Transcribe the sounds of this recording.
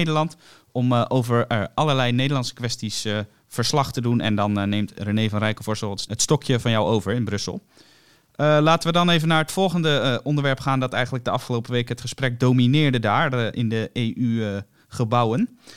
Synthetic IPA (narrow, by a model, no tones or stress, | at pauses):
jdəlɑnt | ɔmʔowvəɹɑləɹlɛjnejdəlɑntsə̥kʋɛstis | v̥əɹslɑχtədunʔɛ̰ndɑnːejmtrənejvɑnrɛjkəvɔɹstəlˠətstɔkjəvɑnjawowvəɹɪnbrɵsə̰lˠ | laːtənʋədɑnejvənaːɹɦətfɔlˠχəndəʔɔndəɹʋɛɹpχaːndɑtɛjχənləɡ̚dəɑfχəlowpəʋejkɦətχəsprɛk̚dowminɪːɹdədaːɹʔɪndəejʔy | χəbʌwən